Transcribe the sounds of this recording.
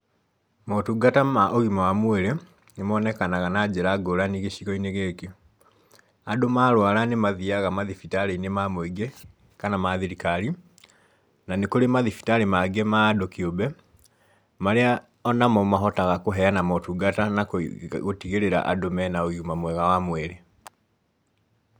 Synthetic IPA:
mɔtuɡatamaʔoɣimawamwɛɾe | nemɔːnɛkanaɣanad͡ʒeɾaɡoɾaniɣeʃiɣɔineɣeːke | adomaːɾwaɾanemaðiaɣamaðifitaɾeinemamweiɡe | kanamaðiɾikaɾi | nanekoɾemaðifi̥taɾemaɡemaːdokiobɛ | maɾea | ɔnamɔmaɦɔtaɣakoɦɛanamɔtuɡatanakɣotiɣeɾeɾa̰ʔa̰domɛnaoiɣumamwɛɣawamwɛɾe

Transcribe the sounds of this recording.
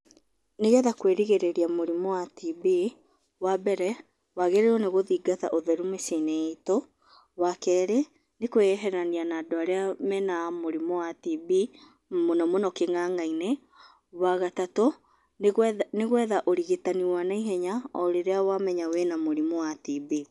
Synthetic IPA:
neɣɛðakweɾiɣeɾeɾiamoɾimɔwatibi | wabɛɾɛ | waɣeɾeɾɔneɣoðiɡata̰ʔoðɛɾumeseneeto | wakɛːɾe | nekoɛɦɛɾanianaːdoaɾeamɛnamoɾimɔwatibi | monɔmonɔkeŋaŋaine | waɣatato | nneɣwɛðaʔoɾiɣetaniwanaiɦɛɲaɔɾeɾeawamɛɲawenamoɾimɔwatibi

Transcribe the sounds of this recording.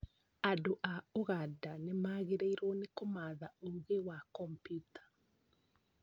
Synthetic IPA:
adoʔaoɣadanemaːɣeɾeiɾɔnekomaːðaoɣewakɔmpjutḁ

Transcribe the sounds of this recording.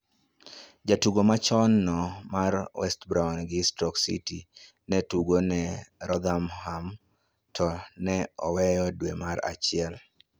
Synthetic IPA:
d͡ʒatuɡomat͡ʃɔnːɔmarwɛstbɾaʊnɡɪstɔksḭti | nɛtuɡonɛɾɔd̪amham | tʰɔnɛɔwɛjɔdwemaɾa̰t͡ʃɪɛl

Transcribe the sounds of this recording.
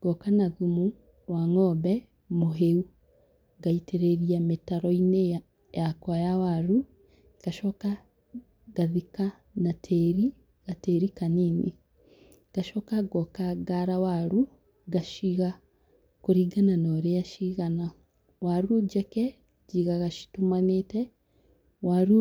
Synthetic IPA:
ɡ̥ɔkanaɣumu | waŋɔbɛ | moɦeu | ɡaiteɾeɾiametaɾɔine | jakwajawaɾu | ɡ̥aʃɔka | ɡ̥aðika | natʰeɾi | ɣateɾikanine | ɡ̥aʃɔkaɡɔkaɡaɾawaɾu | ɡaʃiɣa | koɾiːɡananoɾejaʃiɣana | waɾuɟɛkɛ | d͡ʒiɣaɣaʃi̥tumanetɛ | waɾu

